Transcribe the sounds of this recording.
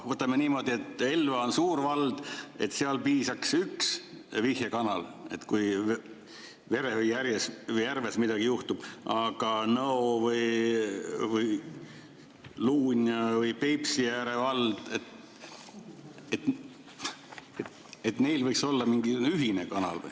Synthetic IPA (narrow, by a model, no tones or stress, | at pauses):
vɤt̪ːˑɑmeniːmo̞d̪̥ie̞t̪ːelvɑonsuːɾvɑld̪̥e̞t̪ːˑseɑlpiːsɑksyks | vihjekɑnɑle̞̰t̪ːkuj | ve̞ɾe̞vɯjjæɾjesvɯjːærve̞smid̪̥ɑɡ̥ijuht̪ub̥ɑɡ̥ɑnɤovɯj | vɯj | luːnʲjɑvɯjpepsijæɾevɑld̪̥e̞t̪ | et̪ | et̪ | et̪ne̞jlvɤjkso̞lːɑmiŋɡiyɦinekɑnɑ̰lv̰j